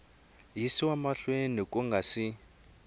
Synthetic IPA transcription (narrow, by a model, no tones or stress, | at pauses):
jisiwamaɬwenikʼuŋɡʱasi